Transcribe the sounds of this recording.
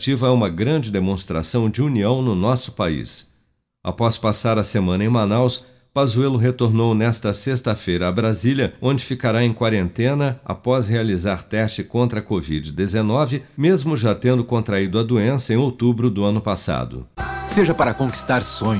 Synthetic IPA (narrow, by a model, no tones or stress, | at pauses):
t͡ʃivɐɛũmɐɡɾɐ̃nd͡ʒɪd̪emõst̪ɾa̰sɐ̃w̃d͡ʒɪuniɐ̃w̃nʊnɔsʊ̥paḭs | a̰pɔspasaɾɐsemɐ̃nɐẽj̃manaws | pazuɛlʊɦet̪oɾnownɛst̪ɐsest̪ɐfejɾɐːbɾaziljɐõd͡ʒɪfikaɾaẽj̃kwaɾẽnt̪ẽnɐa̰pɔshealizaɾt̪ɛst͡ʃɪkõnt̪ɾɐkovid͡ʒɪd̪ezenɔvɪmezmʊʒat̪ẽnd̪ʊkõnt̪ɾaid̪ʊɐd̪uẽsɐẽj̃owt̪ubɾʊd̪ʊɐ̃nʊpasa̰d̪ʊ̰seʒɐpaɾɐkõki̥st̪aɾsõɲ